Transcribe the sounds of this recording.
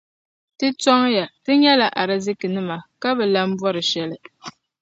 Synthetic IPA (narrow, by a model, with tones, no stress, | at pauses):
tɨ˦tɔ˦ŋja˨tɨ˦ɲɛ˦la˨ʔa˨ɾɨ˦zɨ˦kɨ˨nɨ˦ma˨ka˦βɛ˨la˦m̩˦bɔ˦ɾɨ˨ʃɛ˨lɨ˨